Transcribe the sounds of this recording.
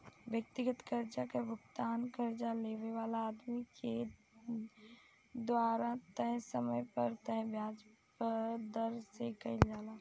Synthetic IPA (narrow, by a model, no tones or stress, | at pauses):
ʋjək̚t̪ɪɡət̪kəɾd͡ʒakebʊkt̪aːnkəɾd͡ʒaleːʋeʋaːlaaːd̪mike | d̪waːɾat̪əɦɛ̃səməjpəɾt̪əɦbʱjaːd͡ʒpəd̪əɾsekəɪd͡ʒaːlaː